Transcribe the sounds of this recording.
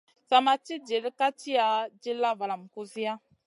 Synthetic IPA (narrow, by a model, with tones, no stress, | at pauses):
sa˨ma˨t͡ʃi˦d͡ʒi˨ɾka˦t͡ʃi˦a˨d͡ʒi˦la˦va˨la˨m̩˨ku˦zi˦ja˦